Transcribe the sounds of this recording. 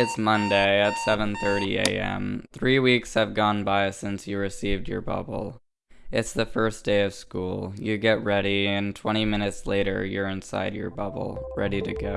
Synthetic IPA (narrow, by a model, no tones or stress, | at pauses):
ɨtsmʌ̃ndeɪɨtsɛvə̃nθɜ˞ɾiḛɪɛ̰̃mθɹiwikshɨvɡɔ̃nbaɪsɪ̃nsjɨɹɨsivd͡ʒə̰˞bʌ̰bl̩ˠ | ɨtsðɨfɜ˞sd̥eɪʌv̥skṵlˠjɨɡɛt̚ɹɛɾiɨ̃ntʰw̥ɛ̃ɾ̃imɪ̃nɨtsleɪɾə̰˞jə˞ɨ̃nsa̰ɪdjə̰˞bʌ̰bl̩ˠɹɛɾiɾɨɡo